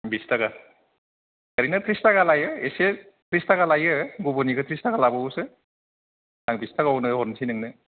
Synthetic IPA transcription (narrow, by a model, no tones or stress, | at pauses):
bistaɡa | kaɾinɯtɾistaɡalajɯese | tɾistaɡalajɯɡuboniɡɯtʰɾistaɡalabɯuse | naŋbistaɡawnɯɦɔɾmsʰinɯŋnɯ